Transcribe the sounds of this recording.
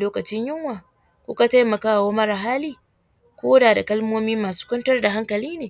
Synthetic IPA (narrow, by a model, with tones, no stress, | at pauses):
loː˦kɐ˨t͡ʃɪ˦ɲjɪ˦ŋwaː˨ | kʷʊ˦ka˨ta˦jmɐ˨kaː˦wa˨wo˦mɐ˦ɾa˨ɦaː˦liː˦ | kʷoː˦daː˨da˨kɐ˦lmoː˦miː˦maː˨su̥ː˦kʷʊ˦ntɐ˦rda˨ɦa˦ŋkɐ˨liː˦neː˨